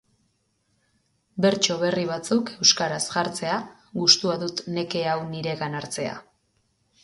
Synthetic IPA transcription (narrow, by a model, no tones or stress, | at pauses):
be̞ɾt͡ʃo̞βe̞riβ̞at͡suke̞wskaɾasʝaɾt͡se̞aɣust̪uaðut̪ne̞ke̞awniɾe̞ɣanaɾt͡se̞a̰